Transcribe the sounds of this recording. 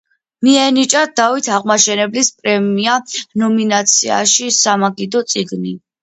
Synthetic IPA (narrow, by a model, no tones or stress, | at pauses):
miɛnit͡ʃʼad̪avit̪ʰaʁmaʃɛnɛblispʼɾɛmianɔminat̪sʰia̰ʃisamaɡid̪ɔt̪sʼiɡni